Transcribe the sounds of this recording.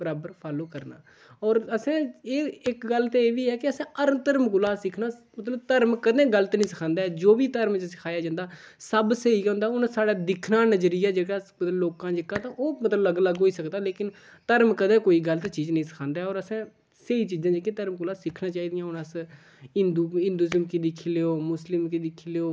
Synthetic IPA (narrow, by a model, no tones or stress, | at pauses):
bəɾaːbəɾpʰaːlõːkəɾna̰ː | ɔːɾəsãːeːɪkɡəlt̪eeːʋiːɛːkɪəsãːəɾmt̪əɾmkʊlaːsɪkʰnaːmət̪ləb̚t̪əɾmkəd̪ẽːɡəlt̪ːnĩːsəkʰãːnd̪aːɛːd͡ʒoːʋiːt̪əɾmt͡ʃsɪkʰaːjaːd͡ʒãːnd̪aːsəbsəiːkɦõnd̪aːʊnsaːɽaːd̪ɪkʰnaːnəd͡ʒɾijaːd͡ʒeːɽaːmət̪ləbloːkãːd͡ʒɪkãːt̪ãːʔoːmət̪ləbləɡləɡɦoːiːsəkd̪aːleːkɪn | t̪əɾmkəd̪ẽːkoːiːɡəlt̪eːt͡ʃiːd͡ʒnəĩːsə̥kʰãːnd̪aːɛɔːɾəsɛ̃ː | səiːt͡ʃiːzãːd͡ʒekẽt̪əɾmkʊlaːsɪkʰnãːt͡ʃaːiːd̪ɪjãːʊnəs | ɪnd̪uːɪ̃nd̪uːɪzəmkid̪ɪkʰːiːleːoːmʊslɪmkid̪ɪkʰːileːoː